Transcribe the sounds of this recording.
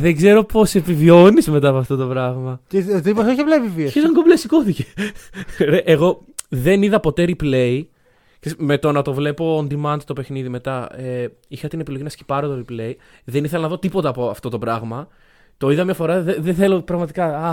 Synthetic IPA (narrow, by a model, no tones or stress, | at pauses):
ðeɡze̞ɾo̞po̞se̞pivio̞nizme̞t̪ɐːpoɐft̪ot̪o̞pɾɐɣmɐcet̪iposoçeplevivieçesoŋɡoblesiko̞θice | ɾeʔeɣo̞ | ðe̞niðɐpo̞t̪eɾiple̞i | ksesme̞t̪o̞nɐt̪o̞vle̞po̞ːnd̪imɐnt̪t̪ope̞xniðime̞t̪ɐe | ixɐt̪inepilo̞ʝinɐsci̥pɐɾot̪oɾiple̞i | ðe̞niθelɐnɐðo̞t̪ipo̞t̪ɐːpoɐft̪o̞t̪o̞pɾɐɣmɐ | t̪o̞iðɐmɲɐfo̞ɾɐðeðeθe̞lopɾɐɣmɐt̪ikɐɐ